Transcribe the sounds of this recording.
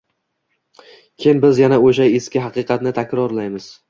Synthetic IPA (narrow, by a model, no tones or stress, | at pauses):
kʲʰenbɪzjanaoʃ̬ajeskʲɪɦɑqɨːqʰɑt̪nɪt̪ʰakʲɾɒɾlajmɪz̥